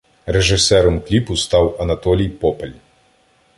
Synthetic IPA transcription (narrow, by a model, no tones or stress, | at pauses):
rɛʐɨsɛɾɐmklʲipust̪awʔɐnat̪ɔlʲijpɔpɐlʲ